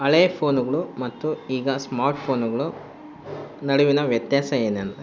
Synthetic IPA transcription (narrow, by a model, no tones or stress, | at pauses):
ɐɭeːpʰo̞ːnuɡɐɭumɐt̪ːuiːɡɐsmaːɾʈpʰo̞ːnuɡɐɭu | nɐɽuʋinɐʋjɐt̪jaːsɐeːnɐnɐ